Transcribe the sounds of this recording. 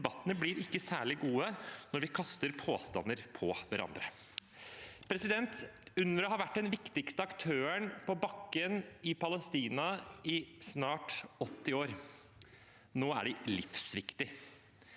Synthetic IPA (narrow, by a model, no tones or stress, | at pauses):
bɑt̪ːənəblɪɾɪkːəsæːɭɪɡuːənɔɾʋɪkʰɑst̪əɾpʰoːst̪ɑ̰nːəɾpʰɔʋæɾɑ̰nd̪ɾə | pʰɾɛsɪd̪ɛnt̪ʉnːəɾɔɦɑɾʋæʈːɖɛnʋɪkt̪ɪkst̪əɑkt̪ʰøːəɳpɔbɑkːənɪpɑləst̪iːnɑɪsnɑːʈɔt̪ːɪoːɾ | noːæ̰ɖɛlɪfsʋɪkt̪ɪ